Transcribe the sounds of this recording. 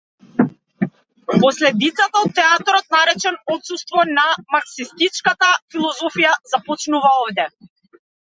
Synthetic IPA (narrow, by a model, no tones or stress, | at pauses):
pɔslɛd̪it̪sat̪aɔt̪ːɛat̪ɔɾɔt̪̚naɾɛt͡ʃɛnɔt̪sust̪vɔnamaksist̪it͡ʃkat̪afilˠɔzɔfijazapɔt͡ʃnuvaɔvd̪ɛ